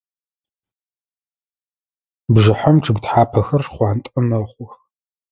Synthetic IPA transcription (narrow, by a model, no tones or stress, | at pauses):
bʐɨħɔmʈ͡ʂʰɨɡʷtħaːpʰɐxɐrʂχʷɑːntʼɐmɐχʷʊx